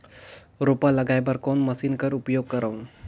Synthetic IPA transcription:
ɾopaləɡajbəɾkonməsiːnkəɾupjoɡ̚kəɾaʋ

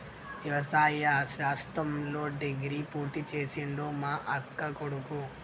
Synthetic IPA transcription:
ʋjɐʋɐsaːjɐʃaːst̪ɾɐmlo̞ːɖeɡɾipuːɾt̪it͡ʃe̞ːsiɳɖoːmaːʔɐkːɐkoɽuku

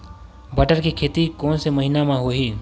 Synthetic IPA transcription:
bəʈəɾkikʰeːt̪ikoːnseməɦinamãɦoɦiː

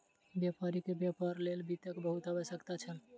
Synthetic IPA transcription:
bjapaɾikebjapaɾlelbit̪əkbəɦut̪əbəsəkt̪at͡ʃʰən

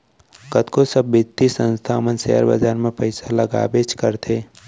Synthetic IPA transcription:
kət̪kosəbːɪt̪ːisə̃nst̪ʰaːmənsḛə̰ɾbə̰d͡ʒaːɾmẽpəɪsalɐɡa̰ːbet͡ʃkəɾt̪ʰeː

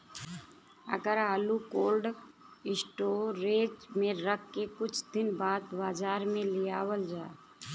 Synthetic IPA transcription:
ə̰ɡəɾɦaːlukoːlɖ | ɪsʈoːɾeːd͡ʒmẽɾəkʰːekʊt͡ʃʰd̪ɪnbaːd̪baːd͡ʒaːɾmẽlɪjaːwəld͡ʒaː

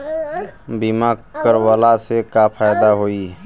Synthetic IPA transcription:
bimaɡkəɾwalasekapʰajd̪aɦoi

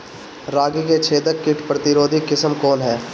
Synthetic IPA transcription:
ɾaːɡiket͡ʃʰeːd̪əkːɪʈpɾət̪ɪɾoːd̪ʱikːɪsəmkɔːnɦɛː

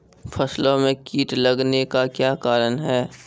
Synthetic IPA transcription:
fʰɐslõmẽkiːʈlɐɡnekakjaːkaːɾənɦɛː

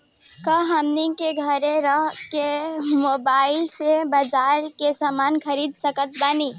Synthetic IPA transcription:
kəɦəmnikeɡʱəɾeɾəɦkemoːbaːɪlsebad͡ʒaːɾkesaːmaːnkʰəɾiːd̪səkət̪̚bani

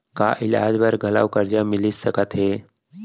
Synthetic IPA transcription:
ka̰ʔɪla̰ːd͡ʒbəɾɡʱəla̰ːʋkəɾd͡ʒamɪlissəkət̪ɦeː

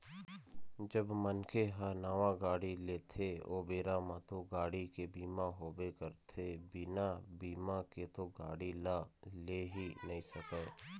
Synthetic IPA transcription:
d͡ʒəbmənkʰeɦəɾnaʋaɡaːɽileːt̪ʰeoːbeːɾamãt̪oɡaːɽikebiːmaɦoːbekəɾt̪ʰebɪnabiːmaket̪oɡaːɽilaleɦinɐɦĩsəkə

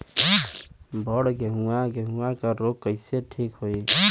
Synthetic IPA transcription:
bɔɽɡeɦũaɡeɦũakaɾoɡ̚kəɪseʈʰikɦoi

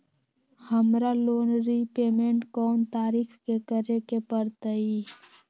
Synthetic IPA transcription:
həmɾaloːnɾipeːmẽɳʈkɔːnt̪aːɾiːxkekəɾekepəɾt̪əi

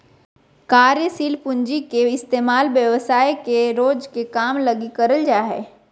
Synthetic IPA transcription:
kaːɾjəsiːlpʊɲd͡ʒikeɪst̪eːmaːlʋjəʋsaːjkeɾoːd͡ʒkekaːmlɐɡikəɾəld͡ʒaːɦeː

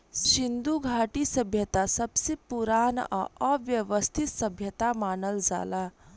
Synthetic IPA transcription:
ʃind̪uɡʱaːʈisɐbʱjɐt̪asɐbsepuɾaːn̰ʔɐ̰ɐʋjɐʋəst̪ʰit̪sɐbʱjɐt̪amaːnəld͡ʒa̰ːlaː

